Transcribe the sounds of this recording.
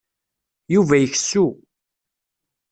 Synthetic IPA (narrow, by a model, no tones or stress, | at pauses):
juvæjəçsu